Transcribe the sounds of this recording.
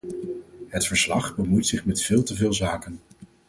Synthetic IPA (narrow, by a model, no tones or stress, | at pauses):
ɦətfəɹslɑχbəmujtsɪχmɛtfɪːlˠtəvɪːlˠzaːkən